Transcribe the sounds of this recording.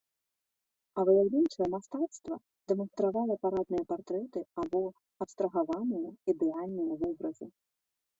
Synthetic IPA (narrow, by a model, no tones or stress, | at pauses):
ɐvɨjʲawlʲɛnt͡ʂɐjɛmast̪at̪st̪vɐ̰ | d̪ɛmɐnst̪ɾavalʲɐpaɾad̪nɨjɐpart̪ɾɛt̪ɨabɔ | ɐpst̪ɾɐɣavanɨjɐid̪ɛalʲnɨjɐvɔbɾɐzɨ